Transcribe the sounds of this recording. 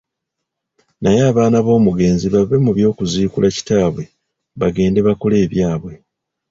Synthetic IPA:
najeaːβaːnaβo̞ːmuɡe̞ːnziβavːemuβjo̞ːkuziːkulʔaci̥taːβwe̞ | βaɡe̞ːnde̞βakole̞ːβjaːβwe̞

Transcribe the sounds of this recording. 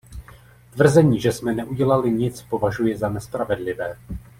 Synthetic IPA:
t̪vr̩zɛɲiːʒɛsmɛnɛʔuɟɛlalɪɲɪt͡spo̞vaʒujɛzanɛspɾavɛdlɪvɛː

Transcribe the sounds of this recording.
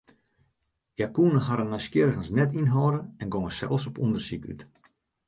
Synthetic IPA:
jakunəhaɾənːɔjskjɪɾəɣənsnɛtinɦɔːdəɛnɡoŋəsɛ̰lˠsɔpundərsiky̰t

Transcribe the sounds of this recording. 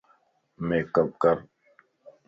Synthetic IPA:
meːkəp̚kəɾ

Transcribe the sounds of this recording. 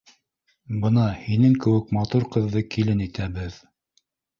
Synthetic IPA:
bɤnɑhinɘŋkɘ̆wɘkmɑt̪uɾqɤ̆ðːɤkilɘnit̪æbɘð

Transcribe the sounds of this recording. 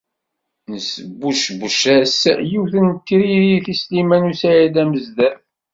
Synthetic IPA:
nəsəbːuʃbəʃæsjiwθənt̪ːiɾiɾiθislimænusæjæd̪æməzd̪æθ

